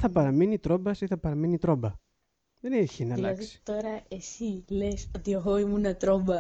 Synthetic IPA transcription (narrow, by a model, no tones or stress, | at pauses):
θɐpɐɾɐminit̪ɾo̞bɐsiθɐpɐɾɐminit̪ɾo̞bɐ | ðeneçinɐllɐðisit̪o̞ɾɐesilesot̪ie̞ɣo̞imunɐt̪ɾo̞bɐ